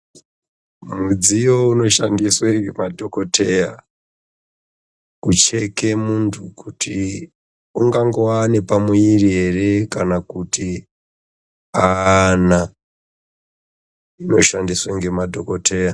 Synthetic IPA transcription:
mud͡zijo̞uno̞ʃandisweŋɡemadʱo̞ko̞tʰe̞ja | kut͡ʃe̞ke̞muntʰukutʰi | uŋɡaŋɡoane̞pamuiriɦe̞re̞kanakuti | ana | ino̞ʃandisweŋɡe̞madʱokotʰe̞ːja

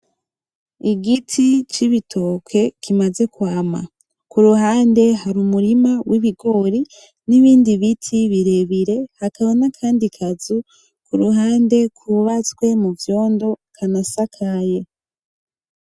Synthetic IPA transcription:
iɡitʰit͡ʃiβitʰo̞kʰe̞kʰimaze̞kwaːma̰ | kuɾuɦaːnde̞ɦaɾumuɾimawiβiɡo̞ɾi | niβiːndiβitʰiβiɾe̞βiɾe̞hakaβonakʰaːndikʰazu | kuɾuɦaːnde̞kuβat͡swe̞muvjo̞ːndo̞kʰanasakʰaje̞

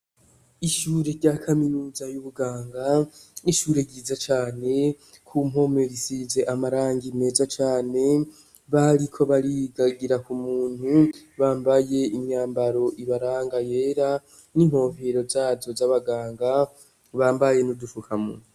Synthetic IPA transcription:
iʃuːɾeɾɟakʰaminuːzajuβuɡaːŋɡaiʃuːɾe̞ɡiːzat͡ʃaːne̞ | kʰumo̞me̞βisize̞ʔamaɾaːŋɡime̞ːzat͡ʃaːne̞ | βaɾikʰo̞βaɾiɡaɡiɾakumuːn̥huβaːmbaje̞imɲaːmbaɾo̞ʔiβaɾaːŋɡaje̞ːɾa | nimho̞ːveɾo̞zaːzo̞zaβaɡaːŋɡa | βaːmbaje̞nudufukʰamṵu

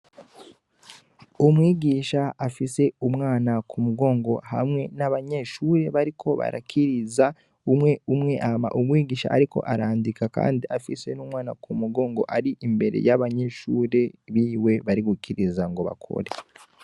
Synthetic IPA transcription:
umwiːɟiːʃaafise̞umŋaːnakʰumuɡo̞ːŋɡo̞ha̰mŋe̞naβaɲe̞ːʃuɾe̞βaɾikʰo̞βa̰ɾa̰kʰiɾiza | umŋe̞umŋe̞ʔama̰ʔumwiːɡiːʃa̰ʔaɾiko̞̰ʔaɾaːndikaka̰ːndiʔafise̞nuːmŋwaːnakʰumuɡo̞ːŋɡo̞̰ʔaɾiʔimbe̞ɾe̞̰jaβaɲe̞ʃuːɾe̞βiːwe̞βaɾiɡukiɾizaŋɡo̞βa̰kʰo̞̰ɾe̞

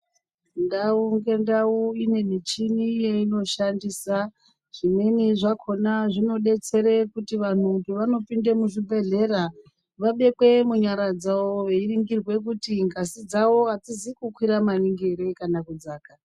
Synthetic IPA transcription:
ndauŋɡe̞ndauine̞nit͡ʃinijeino̞ʃandiːsa | ʐ̥ime̞niʐakʰo̞naʐino̞ɗe̞t͡se̞ɾekutiʋan̤uɡeʋano̞pindemuʐibʱe̞ɮe̞ɾa | ʋaɓe̞kwe̞muɲaɾad͡zawoʋeiriŋɡirwe̞k̬utiŋɡasid͡zawo̞ad͡zizikukwiɾamaniŋɡeɾe̞kanakud͡zaːka

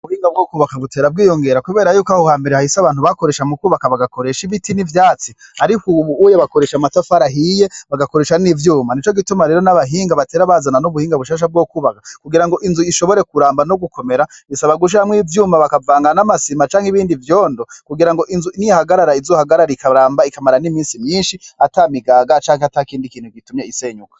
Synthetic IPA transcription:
uβuhiːŋɡab̚ɡoːkuːβakaβute̞ːɾab̚ɡiːjo̞ŋɡe̞ɾakuβe̞ːɾajuːkahohaːmbe̞ɾehahisaβaːnhuβako̞ɾe̞ːʃamukuβakaβaɡako̞ɾe̞ʃiβitinivjaːt͡siaɾikuβuujaβako̞ɾe̞ːʃamatafaɾaɦije̞βaɡako̞ɾe̞ːʃanivjuːmanit͡ʃo̞ɡitumaɾe̞ːɾo̞naβaɦiːŋɡaβateːɾaβazananuβuhiːŋɡaβuʃaːʃ̬ab̚ɡokuːβakḁkuɡiɾaŋɡo̞ʔinzuiʃo̞βo̞ɾe̞kuɾaːmbanoɡuko̞me̞ɾaβisaβaɡuʃ̬iɾamŋiːvjuːmaβakavaːŋɡanamasimat͡ʃaːŋhiβiːndivjoːndokuɡiɾaŋɡo̞ʔinzunihaɡaɾaɾaizohaɡaɾaɾikaɾaːmbaikamaɾanimiːnsimɲiːnʃiatamiɡaːɡat͡ʃaːŋheatakiːndikiːnhuɡitumɲeise̞ɲukḁ

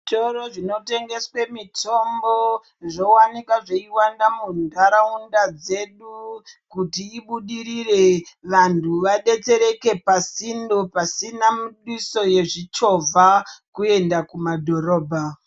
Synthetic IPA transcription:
toɾoʐino̞te̞ŋɡe̞swe̞mitʰo̞mbo̞ | ʐo̞wanikwaʐe̞iwandamundaɾaundad͡ze̞ɗukutiːɓuɗiɾire̞ʋantʰuʋaɗe̞t͡se̞ɾe̞ke̞pasinopasinamuɗwiso̞je̞ʐit͡ʃo̞vʱakue̞ndakumadʱo̞ɾo̞ːbʱa

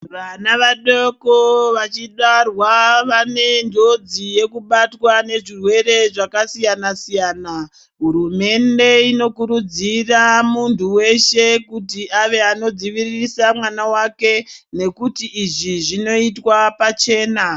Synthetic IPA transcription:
ʋanaʋaɗokoʋat͡ʃiɗarwaʋane̞ndʱo̞d͡zije̞kuɓatwane̞ʐirwe̞ɾe̞ʐakasijanasijaːna | ɦuɾume̞nde̞ino̞kuɾud͡ziramuntuwe̞ʃe̞kutiaʋe̞ano̞d͡ziʋirisamwanawake̞ne̞kutiːʐiʐino̞itwapat͡ʃe̞ːna

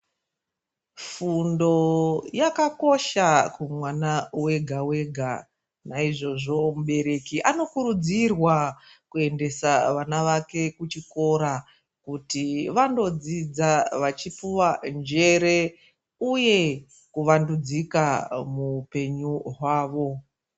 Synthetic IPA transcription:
fundo̞jakako̞ʃakumwanawe̞ɡʱawe̞ɡʱa | naiʐo̞ʐo̞muɓe̞ɾe̞kiʔano̞kuɾud͡zirwa | kue̞nde̞saʋanaʋake̞kut͡ʃiko̞ɾa | kutiʋando̞d͡zid͡zaʋat͡ʃipuwand͡ʒe̞ɾe̞ | uje̞ | kuʋandud͡zikamupe̞ɲuɦwaːʋo̞

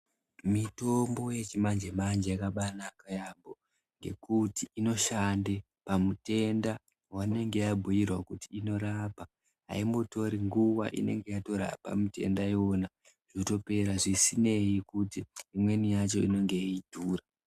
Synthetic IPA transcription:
mito̞mbo̞je̞t͡ʃimand͡ʒemand͡ʒejakaɓanakajambo̞ | ŋɡe̞̰kutiino̞ʃande̞ | pamute̞nda | wane̞ŋɡe̞jabʱujirwakutiːno̞ɾapa | ɦa̰imbo̞to̞ɾiŋɡuwa̰ʔḭne̞̰ŋɡe̞jato̞ɾa̰pa̰mute̞̰ndajo̞na | ʐ̥ito̞pe̞ɾaʐisine̞jikutiːmwe̞nijat͡ʃo̞̰ino̞ŋɡe̞idʱuːra

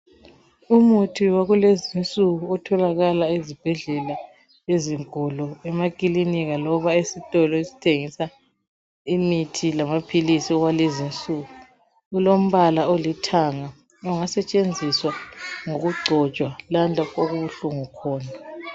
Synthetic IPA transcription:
umutʰiwaɣulezint͡sʼuɣuɔtʰɔlaɣalaezib̥ʱɛɮɛla | eziŋkɔlɔɛmakʼiliniɣalɔβaesitʼɔlɔezi̥tʰeŋisa | imitʰilamapʰilisiɔɣwalezint͡sʼuɣu | ɣulom̩βalaolitʰaŋa | ɔŋasɛt͡ʃʼend͡zʱiswaŋoɣuɡ͡ǀʱɔt͡ʃʼwalandʱakʼoɣuβuɬuŋukʰɔːna

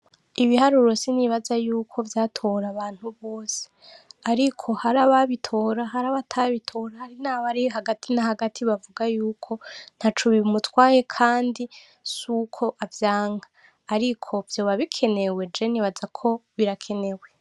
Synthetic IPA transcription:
iβihaɾuɾo̞siniβazajuːkʰo̞vjaːtʰo̞ɾaβaːn̥huβo̞ːse̥aɾikʰo̞haɾaβaβitʰo̞ːɾaɦaɾaβatʰaβitʰo̞ɾahaɾinaːβaɾioɦaɡatʰinahaɡatʰiβavuɡajuːkʰo̞n̥hat͡ʃuβiumutwaːje̞kʰaːndi | sukʰo̞ʔavjaːŋɡaː | ɾikʰo̞vjo̞ːβaβikʰe̞ne̞we̞d͡ʒeniβazakʰo̞βiɾakʰe̞ne̞we̞

